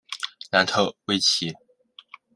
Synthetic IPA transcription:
na˧˥nt̪ʰo˥˩ʊwe˥ɪt͡ɕʰi˧˥

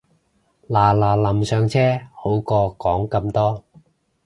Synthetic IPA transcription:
laː˨˩laː˨˩lɐ˨˩msœː˨˧ŋt͡sʰɛː˥ho˨˥wkɔː˧kɔː˨˥ŋkɐ˧mt̪ɔː˥

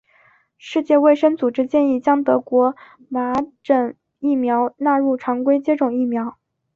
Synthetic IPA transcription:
ʂɻ̩˥˧t͡ɕjɛ˥˧we˥˩ɪʂə˥ŋt͡su˨˩ʈ͡ʂɻ̩˥t͡ɕjɛ˥˧ni˥˩t͡ɕjɑ˥ŋt̪ɤ˧˥kwɔ˧˥ | ma˧˥ʈ͡ʂə˨˩ŋ | i˥˩mjɑ˧˥ʊna˥˧ɻu˥˩ʈ͡ʂʰɑ˧˥ŋkwe˥ɪt͡ɕjɛ˥ʈ͡ʂʊ˨˩ŋi˥˩mjɑ˧˥ʊ

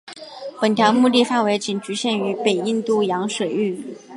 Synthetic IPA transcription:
pə˨˩nt̪ʰjɑ˧˥mu˥˧t̪i˥˧fa˥˩nwe˧˥ɪt͡ɕi˨˩nʈ͡ʂy˧˥ɕjɛ˥˩ny˧˥pe˨˩ɪi˥˧nt̪u˥˩jɑ˧˥ŋʂwe˨˩ɪy˥˩

